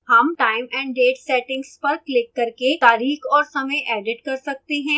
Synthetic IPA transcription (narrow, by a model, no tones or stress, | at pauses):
hɐmʈaːɪmɛ̃ːɳɖɖeːʈsɛːʈɪ̃ŋɡspɐɾklɪkːɐɾket̪aːɾiːkxɔːɾsɐməjʔɛːɖɪʈkɐɾsɐk̚t̪eɦɛ̃ː